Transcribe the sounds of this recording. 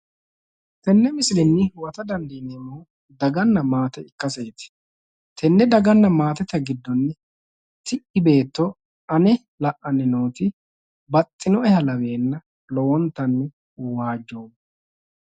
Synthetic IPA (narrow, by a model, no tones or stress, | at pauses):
t̪ɛnːɛmɪsɪlɪnːɪwɐt̪ɐd̪ɐnd̪iːnemːo | d̪ɐɡɐnːɐmaːt̪ɛɪkːɐseːt̪ɪ̥ | t̪ʰɛnːɛd̪ɐɡɐnːɐmaːt̪ɛt̪ɐɡɪd̪ːɔnːɛ | t̪ɪʔɪbe̞ːt̪ːɔ | ɐnɛ | lɐʔːɐnːɪnoːt̪ɪ | bɐt̪ʼːɪnɔɛhɐlɐwe̞ːnːɐ | lɔwɔnt̪ːɐnːɪ | waːd͡ʒːoː